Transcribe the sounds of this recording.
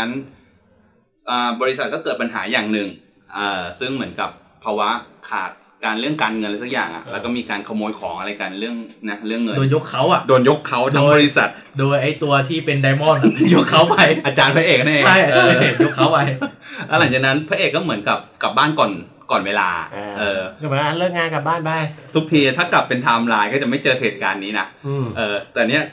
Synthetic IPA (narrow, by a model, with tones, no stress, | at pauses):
a˦˥n | ʔɤː˨˩bɔː˧ɾi˦˥sa˨˩t̪̚kɔː˥˩kɤː˨˩t̪̚pa˧nɦa̰ː˩˦jaː˨˩ŋnɯ˨˩ŋ | ʔɤː˨˩sɯ˥˩ŋmɯ˩˦ənka˨˩p̚ʰːɔ˧waː˦˥kʰa̰ː˨˩t̪̚ | kaː˧nɾɯ˥˩əŋkaː˧nŋɤ˧nla˧˦˥sa˦˥k̚jaː˨˩ŋʔa̰˨˩ʔlɛː˧˦˥wkɔː˥˩miː˧kaː˧nkʰa˧moː˧jkʰɔː˩˦ŋʔa˧ɾa˧jka˧nɾɯ˥˩əŋna˦˥ɾɯ˥˩əŋːɤ˧ndoː˧jo˦˥kʰːa˦˥wʔa˨˩ʔdoː˧njo˦˥kʰːa˦˥wt̪ʰaː˦˧˥bɔː˧ɾi˦˥sa˨˩t̪̚ | doː˧jʔa˨˧˩jt̪u˧ɐt̪ʰiː˥˩pe˧ndaː˧jmɔ˥˩na˩jo˦˥kʰːa˦˥wpa˧jʔaː˧t͡ɕaː˧npʰa˦˥ʔeː˨˩k̚ʰa˥ʔːʰa˥˩ja˨˩kʔɔː˥˧˩lːe˨˩t̪̚jo˦˥kʰːa˦˥wpa˧jlɛ˦˥wla˨˩˦ŋt͡ɕaː˨˩k̚na˦˥npʰa˦˥ʔeː˨˩kːɔː˥˩mɯ˩˦ənka˨˩p̚ka˨˩baː˥˩nkɔː˨˩n | kɔː˨˩nweː˧la̰ː˧˩ʔɤː˧˩˨a˧˩ɾɯ˥˩ŋŋaː˧nka˧˩baː˥˩nbaː˥˩jt̪ʰu˦˥k̚t̪ʰiː˧a˨˩t̪ʰaː˥˩kla˨˩pːe˧nt̪ʰaː˧mlaː˧jkɔː˥˩t͡ɕa˨˩ma˥˩t͡ɕɤː˧heː˨˩t̪̚kaː˧nːiː˦˥na˦˥ʔʔɤː˧t̪ɛː˨˩ni˦˥ɐ˩